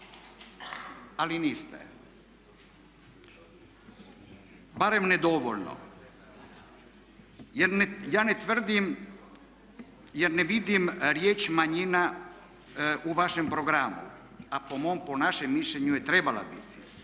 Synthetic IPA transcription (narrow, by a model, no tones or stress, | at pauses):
alinist̪ḛ | baɾemned̪oʋoʎno̰ | jɛɾnjaːnet̪ʋr̩d̪im | jɛɾneʋid̪imɾjeːt͡ʃmaɲina | uʋaʃempɾoɡɾamṵ | apomomponaʃemːiʃʎeɲujɛt̪ɾebala̰bḭt̪i̥